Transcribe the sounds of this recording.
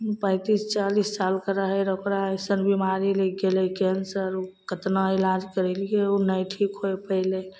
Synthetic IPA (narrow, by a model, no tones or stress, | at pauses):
pə̃ɪt̪ist͡ʃalissalkəɾaɦɛɾokɾaɦɛsənbimaɾileɡelekɛnsəɾokət̪naelad͡ʒkəɾɛlijeonəjʈʰikɦojpəɪle